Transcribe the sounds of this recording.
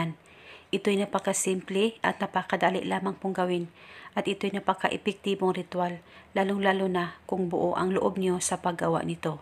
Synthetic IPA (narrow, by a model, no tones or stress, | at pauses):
n | ʔɪt̪o̞jnɐpɐkasɪmplɛʔɐ̰t̪̚nɐpakɐd̪aːlɪ̰ʔlaːmaŋpʊŋɡɐwɪnʔɐt̪ʔɪt̪o̞jnɐpɐkaʔɛpɛk̚t̪iboŋɾɪt̪walːaːloŋlaːlonakʊŋbʊʔoʔɐ̰ŋloʔo̞b̚ɲo̞sɐpɐɡɡɐwa̰ʔnɪt̪o̞